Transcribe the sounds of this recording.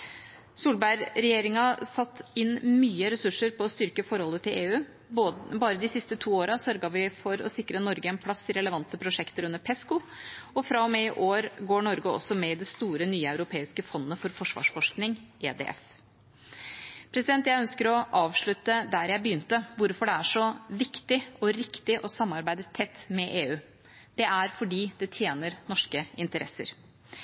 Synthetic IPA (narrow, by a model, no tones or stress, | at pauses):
suːlbæɪɾɾɛjeːɾɪŋɑsɑt̪ːɪnmyːəɾɛsʉʂːəɾpɔːst̪ʏɾkəfɔɾhɔlːət̪ʰɪlʔeːʉː | bɑːɾəd̪ɪsɪst̪ət̪ʰuːoːɾɑsœɾɡɑʋɪfɔɾɔ̰sɪkːɾənɔɾɡəɛnpʰlɑsːɪɾɛləʋɑnt̪əpʰɾʊʂɛkt̪əɾʉnːəpʰɛskʊɔfɾɑːɔmɛɪʔoːɾɡoːɳɔɾɡəɔ̰sɔmɛɪd̪ɛst̪uːɾənyːɑʉɾʊpʰeːɪskəfɔnːəfɔɾfɔʂʋɑ̰ːʂfɔʂknɪŋʔḛːd̪ḛʔɛ̰f | pʰɾɛsɪd̪ɛnt̪jæɪœnskəɾɔʔɑːʋʂɭʉt̪ːəd̪æɾjæɪbəjʏnt̪əʋʊɾfɔɖɛæʂɔʋɪkt̪ɪɔɾɪkt̪ɪʔɔsɑmːɑɾbæɪd̪ət̪ʰɛt̪ːmɛʔeːʉː | d̪̥ɛʔæɾfɔɖiːd̪ɛt̪ʰjeːnəɾnɔʂkəɪnt̪əɾʔɛsːə̰ɾ